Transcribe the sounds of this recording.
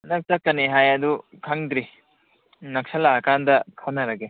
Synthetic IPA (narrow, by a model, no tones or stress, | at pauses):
nɐk̚t͡ʃakːɐniɦajad̪ukʰaŋɡɾi | nɐksɐlaːkand̪ɐkʰanɐɾɐɡe